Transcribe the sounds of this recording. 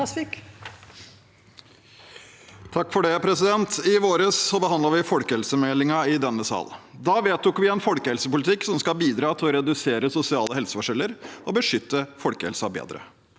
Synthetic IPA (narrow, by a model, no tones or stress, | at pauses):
ɪk | t̪ʰɑkːfɔɖɛpʰɾɛsɪd̪ɛnt̪ɪʋoːɾəsːɔbəhɑnd̪lɑɾʋɪfɔlkəhɛlsəmɛlɪŋɑɪd̪ɛnːəsɑ̰ːld̪ɑːʋeːt̪ːʊkʋɪɛnfɔlkəhɛlsəpʊlɪt̪ʰɪkːsɔmskɑbiːd̪ɾɑːt̪ʰɪlɔɾɛd̪ʉseːɾəsʊsɪɑːləhɛlsəfɔʂɛlːəɾʔɔbəʂʏt̪ːəfɔlkəhɛlsɑbḛːd̪ɾə̰